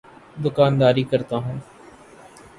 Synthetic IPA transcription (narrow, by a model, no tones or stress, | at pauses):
d̪ʊkaːnd̪aːɾiːkəɾt̪aːɦũː